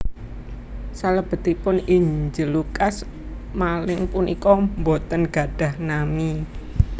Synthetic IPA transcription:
saləb̥ə̤t̪ipʊniɲd͡ʒəlukas | malɪŋpunʔḭkɔmbot̪ənɡ̥a̤ɖ̥ä̤hnami

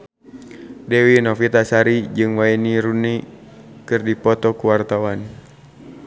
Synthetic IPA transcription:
dɛwinɔfit̪asaɾid͡ʒɨŋwainiɾunikɨrdipɔt̪ɔkuwart̪awan

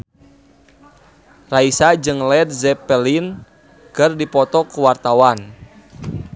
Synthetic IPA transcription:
raisad͡ʒɨŋlɛd̪̚zɛpɛlin | kɨrdipɔt̪ɔkuwart̪awan

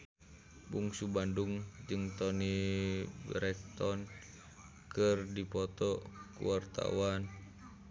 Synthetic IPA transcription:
buŋsubanduŋd͡ʒɨŋt̪ɔni | bɾɛk̚t̪ɔn | kɨrdipɔt̪ɔkṵwart̪a̰wan

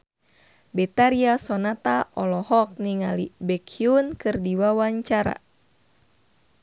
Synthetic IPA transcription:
bɛt̪aɾiasɔnat̪aʔɔlɔhɔk̚niŋalibɛkʰiunkɨrdiwawaɲt͡ʃaɾa̰

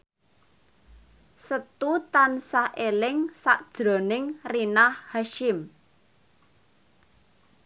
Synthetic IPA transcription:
sət̪ut̪ansahʔelɪŋsa̰ʔd̥ʒ̥ɾɔ̤nɪŋrinahhaʃɪm

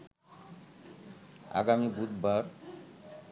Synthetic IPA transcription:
a̰ɡamibud̪baɾ

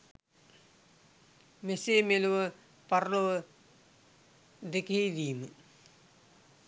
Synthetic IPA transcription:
meseːmeluʋə | parloʋə | d̪ekɦejd̪iːmə

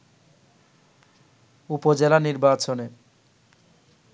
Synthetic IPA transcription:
upod͡ʑelaniɾbat͡ɕone

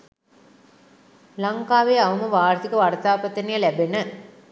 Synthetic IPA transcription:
lɐŋkaːʋeːɐʋɐməʋaːɾt̪ikɐʋɐrt̪aːpɐt̪ɐnijɐlæbenə

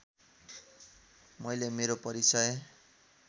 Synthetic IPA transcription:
mʌjlemeɾopʌɾisʌj

